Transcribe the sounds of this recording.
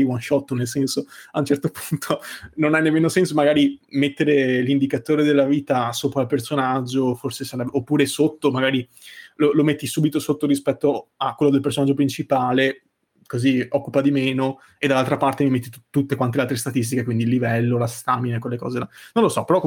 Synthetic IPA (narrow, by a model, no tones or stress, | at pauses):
iwanʃɔt̪ːonelsɛnsoaunt͡ʃɛrt̪opunt̪ʰononanːemːeːnosɛnsomaɡaːɾimet̪ːeɾelind̪ikat̪oːɾed̪elːaviːt̪asoːpɾalpersonad͡ʒːoforsesaɾɛbeʔopːuːɾesot̪ːomaɡaːɾi | lolomet̪ːisuːbit̪osot̪ːoɾispɛt̪ːoakwelːod̪elpersonad͡ʒːopɾint͡ʃipaːle | koziɔkːupad̪imeːno | ed̪ːalalt̪ɾapart̪emimet̪ːit̪ut̪ːekwant̪ealt̪ɾest̪at̪is̬t̪ikekwind̪ilːivɛlːolast̪aminekːwelːekɔ̰ːzelanõnlosɔpeɾɔkː